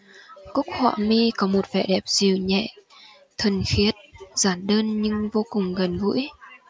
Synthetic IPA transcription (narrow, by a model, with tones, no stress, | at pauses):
kʊ˦˥k̚hwa̰ː˧˨mi˧kɔ˨˦mo˨˩t̚vɛ̰˧˩ɗɛ˨˩p̚zi˨˩əwɲɛ̰˧˨ | t̪ʰə˨˩nxi˨˦ət̚z̥aː˨˩nɗəː˧nɲɨ˧ŋvo˧kʊ˨˩ŋ͡mɣə˨˩nvṵ˧˥j